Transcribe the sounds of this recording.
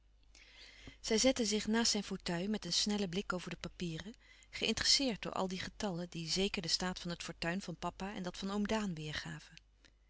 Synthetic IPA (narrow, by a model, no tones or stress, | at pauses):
z̥ɛjzɛtəzɪχnaːstsɛjnfotœɥmɛtənsnɛləblɪkowvəɹdəpapiːrə | χəʔɪ̰ntərəsɪːɹt̚dʊ̰ːɹʔɑ̰lˠdiχətɑlədizejkəɹdəstaːtfɑnɦətfɔːɹtœɥnvɑnpɑpaɛ̰ndɑtfɑnowmdaːnʋɪːɹχaːv̥ən